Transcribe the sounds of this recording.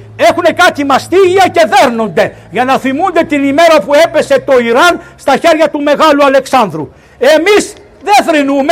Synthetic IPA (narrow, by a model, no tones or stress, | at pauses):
e̞xune̞kɐt̪imɐst̪iʝiɐce̞ðeɾno̞nd̪e̞ | ʝɐnɐθimund̪e̞t̪inimeɾɐpue̞pe̞se̞t̪o̞iɾɐnst̪ɐçe̞ɾʝɐt̪ume̞ɣɐluɐle̞ksɐnd̪ɾṵ | e̞mis | ðeθɾinume